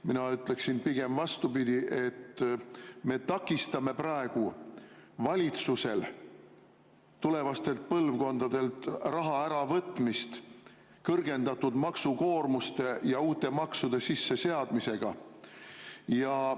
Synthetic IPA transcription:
minɑyt̪le̞ksinpiɡ̥e̞mvɑst̪upid̪ʲiʔe̞t̪ | me̞t̪ɑkːˑist̪ɑme̞prɑe̞ɡ̥u | vɑlʲit̪suse̞l | t̪ule̞vɑst̪e̞lt̪̚pɤlvko̞nd̪̥ɑd̪̥e̞lt̪rɑɦɑæɾɑvɤt̪ːˑmist̪ | kɤrɡ̥e̞nd̪ɑt̪ːud̪̥mɑksuko̞ːrmust̪e̞jɑuːt̪e̞mɑksud̪̥e̞sisːe̞se̞ɑd̪mise̞ɡ̥ɑ | jɑ

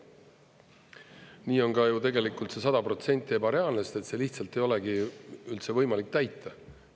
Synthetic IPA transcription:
niːo̞nkɑjut̪e̞ɡe̞likːˑult̪se̞sɑd̪̥ɑpɾro̞t̪se̞nʲt̪ʲˑːeːbɑɾeɑːlnest̪e̞t̪se̞ːliçt̪sɑlt̪ːe̞jo̞leɡiylt̪se̞vɤ̞jmɑlik̚ːt̪æjt̪ːˑɑ

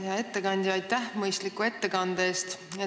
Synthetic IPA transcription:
jɑe̞t̪ːekɑnʲd̪̥ʲiɑjt̪ːˑæhmɤjst̪likːˑue̞t̪ːe̞kɑnd̪̥ee̞ːst̪e

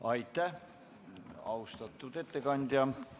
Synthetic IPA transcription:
ɑit̪ːæ | ɑ̰ust̪ɑt̪ːut̪et̪ːekɑnʲt̪jɑ

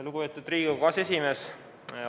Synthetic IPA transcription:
luɡupeːt̪ːˑud̪riːɡɑkɑse̞sʲime̞s

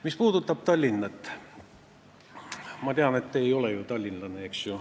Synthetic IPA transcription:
mispuːd̪ut̪ːˑɑb̥̚t̪ɑlʲːinːɑt̪ː | mɑt̪eɑnet̪ːejo̞lejut̪ɑlʲːinlɑneeksjo

